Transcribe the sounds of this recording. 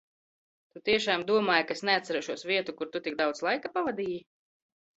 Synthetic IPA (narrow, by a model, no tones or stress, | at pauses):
t̪ut̪iɛʃaːmd̪uɔmaːjkaesnɛat̪sɛɾɛʃuɔsviɛt̪ukuɾt̪ut̪ik̚d̪awt̪slˠajkapavad̪iːji